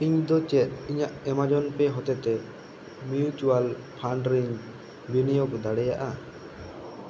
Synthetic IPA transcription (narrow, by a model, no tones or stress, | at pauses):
iɲd̪ɔt͡ʃɛt̪̚iɲaʔɛmad͡ʒɔnpɛɦɔt̪ɛt̪ɛ | miut͡ʃualpʰaɳɖɾiɲ | binijɔkd̪aɽɛja̰ʔa